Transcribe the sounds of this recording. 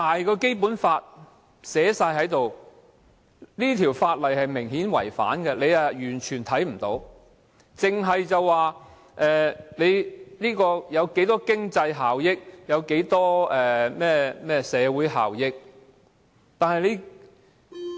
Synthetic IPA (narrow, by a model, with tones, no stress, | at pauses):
t̪aː˨jkɔː˧ke˥jpuː˨˥nfaː˧t̚ | sɛː˨˥saː˧jɦɐ˨˥jt̪o˨w | liː˥t̪ʰiː˨˩wfaː˧t̚lɐ˨˩jhɐ˨jmɪ˨˩ŋhiː˨˥nwɐ̰˨˩jfa̰ː˨˥nkɛ˧le˨˧jɐ˨jyː˨˩nt͡ʃʰyː˨˩nt̪ʰɐ˨˥jm̩˨˩t̪o̰˨˥w | t͡sɪ˨ŋɦɐ˨jt͡sɐ˨wːaː˨ | ʔɛː˨˩le˨˧jliː˥kɔː˧jɐ˨˧wke˨˥jt̪ɔː˥kɪ˥ŋt͡sɐ˧jɦaː˨wjɪ˥k̚jɐ˨˧wke˨˥jt̪ɔː˥ɛː˨mɛː˥mɛː˥sɛː˨˧wuː˨˥jɦa̰ː˨wjɪ˥k̚ | t̪aː˨nhɐ˨jle˨˧j